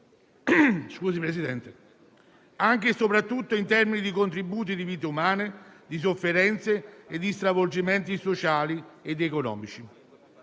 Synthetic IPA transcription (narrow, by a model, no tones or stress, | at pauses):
skuːsipɾesid̪ɛnt̪e | aŋk̟esopɾat̪ːut̪ːoint̪ɛrminid̪ikont̪ɾibuːt̪̬id̪iviːt̪̬eumaːned̪is̬ofːeɾɛnt̪seed̪ːist̪ɾavold͡ʒiment̪̬isot͡ʃaːlied̪ekonɔ̰ːmit͡ʃi